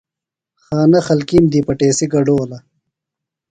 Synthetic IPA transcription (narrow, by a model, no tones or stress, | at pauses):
xaːnɐxɐlkimd̪ipɐʈeːsiɡɐɖoːlɐ